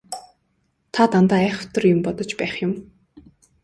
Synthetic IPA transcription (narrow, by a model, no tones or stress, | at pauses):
t̪ʰat̪ant̪aːæːχə̥̆w̥t̪ə̆rjʊmpɔt̪ɞ̆t͡ɕpæːχjʊm